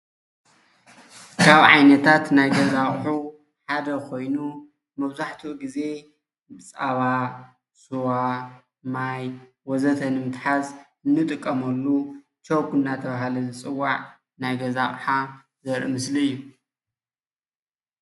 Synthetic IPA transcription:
kʰaβʕa̰jnɐt̪ʰat̪najɡɐzaχʼħu | ħad̪ɐkʰo̞jnu | mɐβzaħt̪ʰuʔɡize̞ | bɨt͡sʼaβa | suwa | maj | wɔzɐt̪ʰɐnɨmɨt̪ħaz | ɨnːɨt̪ʼɨkʼːɐmɐlːu | t͡ʃʰowkɨnːat̪ʰɐβahlɐzɨt͡sʼɨwːaʕ | najɡɐzaχʼħa | zɐɾʔɨmɨsliɨjːu

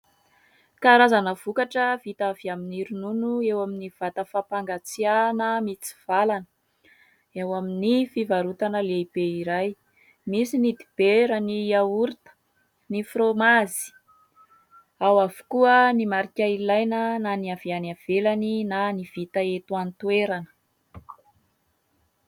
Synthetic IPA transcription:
kaɾazanəv̥ukaʈ͡ʂəvit̪aviaminiɾununuewaminiv̥at̪əfapaŋɡat͡sianəmit͡si̥v̥alanə̥ | ewaminifivaɾut̪anəleibeiɾaj | misinid̪ib̥eɾəniauɾit̪ə̥ | nifromazi̥ | awavu̥kuənimaɾikʲailajnənaniav̥ianav̥elaninaniv̥it̪əet̪uant̪ueɾanə̥

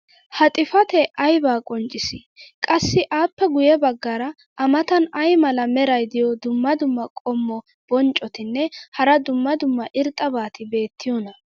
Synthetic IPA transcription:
hɐt̪ʼɪfɐt̪ɛʔɐjbaːkʼɔnt͡ʃʼːɪsɪ | kʼɐsːɪʔaːpːɛɡʊjɛbɐɡːaɾɐ | ɐmɐt̪ɐnɐjmɐlɐmɛɾɐjd̪ɪjɔd̪ʊmːɐd̪ʊmːɐkʼɔmːɔ | b̥ɔnt͡ʃʼɔt̪ɪnːɛhɐɾɐd̪ʊmːɐd̪ʊmːɐʔɪɾt̪ʼːɐbaːt̪ɪbe̞ːt̪ʰːɪjɔnɐ

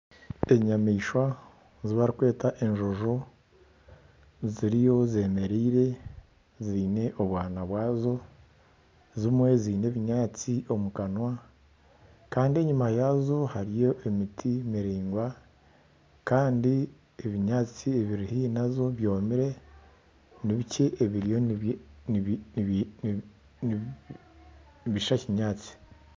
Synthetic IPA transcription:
eɲamiːʃwa | ziβaɾikwe̞ːtaʔe̞nʒoʒo | ziɾijo̞ze̞me̞ɾiːɾe̞ | ziːne̞ʔo̞βwaːnaβwaːzo̞ | zimwe̞ziːne̞βiɲaːt͡sio̞mukanwa | kaːndie̞ɲumajazo̞haɾijo̞ʔe̞mitʰimiɾiːŋɡwa | kaːndi | eβiɲaːt͡sieβiɾihinazo̞βjo̞ːmiɾe̞ | niβiceʔːβiɾijo̞n | i | βiʃaciɲaːt͡si̥

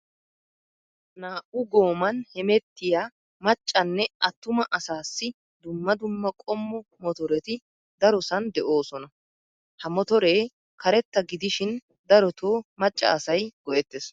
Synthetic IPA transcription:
naːʔʊɡo̞ːmɐnhɛmɛt̪ːɪjaː | mɐt͡ʃʼːɐnːɛʔɐt̪ːʊmɐʔɐsaːsːɪ | d̪ʊmːɐd̪ʊmːɐkʼɔmːɔmɔt̪ɔɾɛt̪ɪ | d̪ɐɾɔsɐnd̪ɛʔo̞ːsɔnɐ | hɐmɔt̪ɔɾe̞ː | kɐɾɛt̪ːɐɡɪd̪ɪʃɪn | d̪ɐɾɔt̪ʰoːmɐt͡ʃʼːɐ̰ɐsɐjɡ̥ɔʔɛt̪ːes

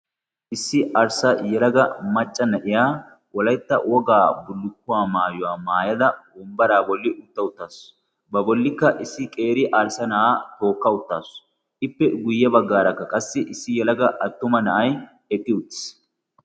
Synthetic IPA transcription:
ʔɪsːɪʔɐɾsɐjɛlɐɡɐmɐt͡ʃʼːɐnɐʔɪjaː | wɔlɐjt̪ːɐwɔɡaːbʊlːʊkːʊwaːmaːjʊwaːmaːjɐd̪ɐbɔmbɐɾaːbɔlːɪʔʊt̪ːɐʊt̪ːaːs | bɐbɔlːɪkːɐʔɪsːɪkʼe̞ːɾɪʔɐɾsɐnɐʔaːt̪o̞ːkːɐʊt̪ːaːs | ɪpːɛɡʊjːɐbɐɡːaːɾɐkːɐkʼɐsːɪʔɪsːɪjɛlɐɡɐʔɐt̪ːʊmɐnɐʔɐj | ɛkʼːɪʊt̪ːɪ̥s

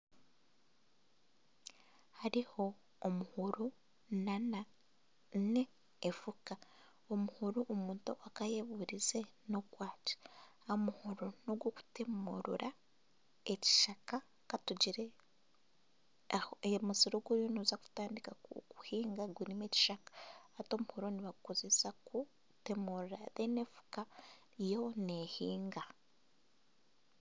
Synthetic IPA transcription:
haɾiho̞ː | muhuɾu | nana | neː | fuka | omuhuɾuʔomuːntṵʔakajeβuɾize̞no̞kwaːci̥ | amuhuɾunoɡwoku̥temoɾṵɾa | eci̥ʃaka | katuɟiɾe | muziɾoɡwoɾjonozaku̥taːndikauku̥hiːŋɡaɡwinime̞ci̥ʃakḁːto̞muhuɾoniβakukoze̞saku | te̞muɾuɾa̰ðenefu̥ka | jo̞nehiːŋɡa

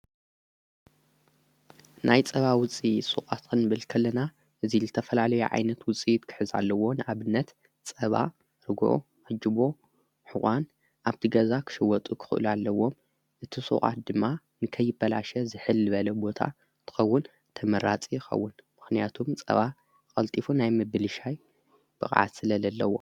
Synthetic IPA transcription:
nʔajt͡sʼɐβawʊt͡sʼijsṵχʼat̪kʰɨnːɨbɨlkʰɐlːɐna | ʔɨzizɨt̪ʰɐfɐlalɐjuʕa̰jnɐt̪wʊt͡sʼijt̪kʰɨ̥ħɨza̰lːɐwo̞nɨʔaβɨnːɐt̪ | t͡sʼɐβa̰ | ɾɨɡʔo̰ | ʕɨd͡ʒɨbo̞ | ħɨʔʼan | ʔaβt̪ʰiɡɐzakʰɨ̥ʃɐwɔt̪ʼukʰɨ̥xɨʔlualːɐwːo̞m | ʔɨt̪ʰisʼṵʔʼa̰t̪̚d̪ɨmːa | nɨkʰɐjːɪbːɐla̰ʃɐzɨħɨlːɨβɐlɐbo̞t̪ʰa̰ | t̪ʰɨ̥xɐwːʊn | t̪ʰɐmɐɾat͡sʼijɪxɐ̰wːʊnmɨxnijat̪ʰumt͡sʼɐ̰βa | kʼɐlt̪ʼifunajmɨbɨlɨʃaj | b̥ɨxʼʕa̰d̪sɨlɐlɐlːɐwo̞̰

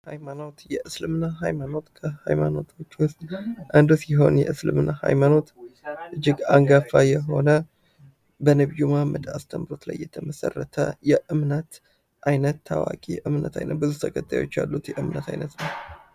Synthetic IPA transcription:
hajmano̞t̪jɛʔɨslɨmnaɦajmano̞t̪kʰəha̰jmano̞t̪ʰo̞t͡ʃːwʊst̪ʼʔand̪usiɦo̞̰njɛ̰ʔɨslɨ̰mnaha̰jmano̞t̪ʔɨd͡ʒːɪɡaŋɡafajɛɦo̞nə | bənəβjumamːɨd̪ast̪ʰəmɾo̞t̪la̰jːɛt̪ʰəməsə̰rːət̪ʰə̰jɛʔɨmnət̪ | ʔajnət̪ʰːawa̰kʼiʔɨmnət̪ʰajnət̪̚bɨzut̪ʰəkʼʰət̪ʼːajo̞̰t͡ʃːja̰lːut̪jɛʔɨmnət̪ʰajnət̪nəw

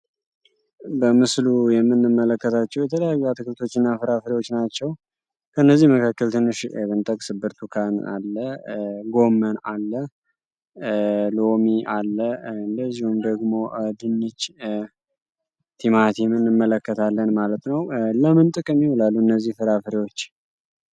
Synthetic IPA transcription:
bəmɨslujɛmːɨnːɨmːələkːət̪ʰat͡ʃːɛwjɛt̪ʰələjajːuat̪ʰɨkʰɨlt̪ʰo̞t͡ʃːɪnːafɨɾafɨɾiwot͡ʃːnat͡ʃːɛw | kʰəɨnːəzːihməkʰakːəlt̪ʰɨnːɨʃmɨnt̪ʼəkʼsɨbːɨɾt̪ʰukʰana̰lːəɡo̞mːənalːə | lomiʔalːəɨnd̪əzːihumd̪əɡmo̞ʔd̪ɨnːɨt͡ʃː | t̪ʰimat̪ʰimɨnːɨmːələkːət̪ʰalːənmalət̪nəwləmɨnt̪ʼɨkʼəmːiholalːuɨnːəzːihfɨɾafɨɾiwo̞t͡ʃː

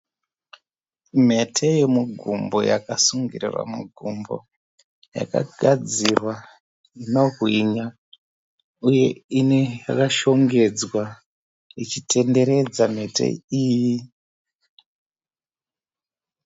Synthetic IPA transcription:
m̤e̞tʰejemuɡʱumbo̞̰ja̰kasuŋɡirḭrwa̰muɡʱumbo̞̰ | ja̰ka̰ɡʱad͡zirwa | ino̞kwiɲa | uje̞inejakaʃo̞ŋɡe̞d͡zwa | it͡ʃite̞nde̞ɾe̞d͡zam̤e̞tʰḛiːji

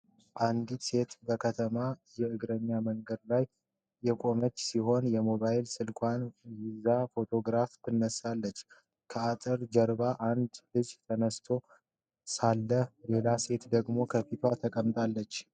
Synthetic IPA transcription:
ʔand̪ise̞t̪bəkʰət̪ʰəmajɛɨɡɾəɲːaməŋɡəd̪lajː | ɛkʼo̞mət͡ʃːsiɦo̞njɛmo̞βajɪlsɨlkʰʼʷanjizafo̞t̪ʰo̞ɡɾaft̪ʰɨnːəsːalːət͡ʃː | kʰəat̪ʼɨɾd͡ʒəɾbaʔand̪lɨd͡ʒt̪ʰənəst̪ʰo̞ | salːəlelase̞t̪d̪əɡmo̞kʰəfit̪ʰat̪ʰəkʼəmt̪ʼalːət͡ʃː

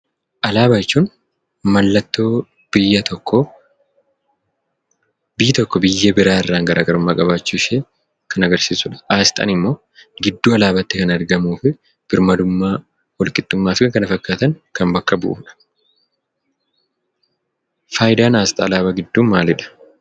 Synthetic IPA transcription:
ʔɐlaːbaɪt͡ʃːuːn | mɐlːɐt̪ːoː | b̥ɪjːɐt̪ɔkːɔ | bɪjːɪt̪ɔkːɔbɪjːɐbɪɾaːɪrːaːŋɡɐɾaːɡɐɾʊmːaːkʼɐβaːt͡ʃːuːʃeː | kʰɐnɐɡɐɾsiːsʊᶑɐ̥ʔaːst̪ʼɐ̰nɪmːo̞ː | ɡɪd̪ːuːɐlaːbɐt̪ːɪkɐnɐɾɡɐmuːfɪ | b̥ɪɾmɐd̪ʊmːaː | wɔlkʼɪt̪ʼːʊmːaːfɪkɐnɐfɐkːaːt̪ɐŋkɐmbɐkːɐbʊ̰ʔṵːᶑɐ̥ | faːjɪd̪aːnaːst̪ʼɐːlaːbɐɡɪd̪ːuːnmaːlɪᶑɐ̥

